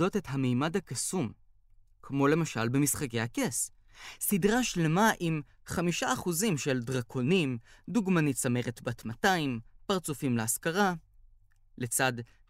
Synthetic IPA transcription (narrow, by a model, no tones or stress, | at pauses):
o̞te̞tɦamejmadhakasum | kmo̞le̞maʃa̰lbe̞misχake̞jhakes | sidʁaʃle̞maʔim | χamiʃaːχuzimʃe̞ldʁakʰo̞nimduɡmanitt͡same̞ʁetbatmataimpaʁt͡sufimleaskaʁa | let͡sad